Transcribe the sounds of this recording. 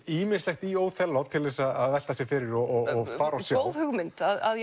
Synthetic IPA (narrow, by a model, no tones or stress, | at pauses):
iːmɪnslɛxt̪ioːwθʰɛlːawt̪ʰɪlvɛsaaðvɛl̥t̪asjɛfɪːɾɪɾɔɔɔɣfaːɾawsjɛowðhʏɣmɪnt̪aðað